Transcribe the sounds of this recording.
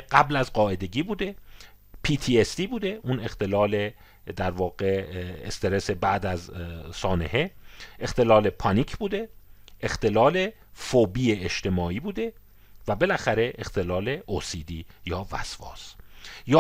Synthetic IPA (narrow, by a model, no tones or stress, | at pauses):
ɢæblæzɢɒːe̞d̪e̞ɟiːbuːd̪e̞pʰiːt̪ʰiːest̪iːbuːd̪e̞ʔuːne̞xt̪ʰe̞lɒːle | d̪æɾvɒːɡe̞ḛst̪eɾe̞sebæʔd̪æzsɒːne̞heext̪e̞lɒːle̞pʰɒniːcʰbuːd̪e̞ʔext̪e̞lɒːle̞ | fobiːeeʃt̪ʰe̞mɒːiːbuːd̪e̞ | væbe̞læxæɾe̞ʔext̪e̞lɒːle̞osiːd̪iːjɒːvæ̰sfɒ̰ːsj